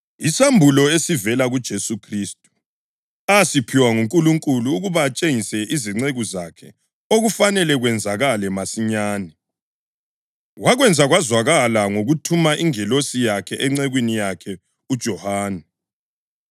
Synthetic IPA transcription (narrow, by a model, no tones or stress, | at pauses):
isambʱulɔesivɛlaɣud̥ʒ̥ʱesukʰristʼu̥ | asipʰiwaŋuŋkʼuluŋkʼuluːɣuβaːt͡ʃʼeŋisɛʔiziŋ͡ǀeɣuzakʰɛ | oɣufanɛlɛɣwɛnd͡zʱaɣalɛmasiɲaːnɛ | ɣwaɣwɛnd͡zʱaɣwazwaɣalaŋoɣutʰumaʔiŋɛlosijakʰɛʔɛŋ͡ǀɛɣwinijakʰɛ | ud̥ʒ̥ʱɔhaːnɛ